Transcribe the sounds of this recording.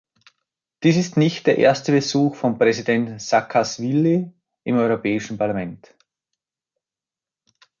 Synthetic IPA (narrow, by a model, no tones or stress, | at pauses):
d̥iːsɪstnɪçt̚d̥eːɐʔḛːɐstəbəzuːxfɔmpʁ̥ɛzidɛntsakʰasvilːi | ʔɪmɔʏʁopʰɛːɪʃn̩pʰaɐlamɛnt